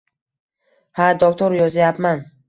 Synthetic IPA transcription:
had̪ok̚t̪ʰoɾjɒzajapman

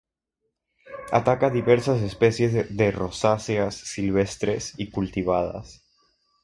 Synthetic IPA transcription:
a̰t̪akaðiβeɾsas̬espesje̞zðerosasjasːilβ̞est̪ɾesikult̪iβ̞að̞a̰s

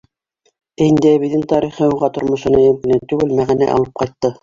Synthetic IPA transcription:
æind̪ææβiðɘŋt̪ɑɾiχɤuʁɑt̪ŏɾmŏʃɤ̆nɤjɵ̆mkĭnɘnt̪ʉɡɘlmæʁænæ̰ʔɑ̰lˠɤp̚qɑjt̪ːɤ

